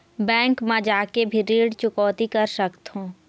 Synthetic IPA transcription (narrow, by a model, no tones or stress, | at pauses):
bɛ̃ːŋkmãd͡ʒaːkebʱiɾiːɽt͡ʃʊkɔːt̪ikəɾsəkt̪ɦũː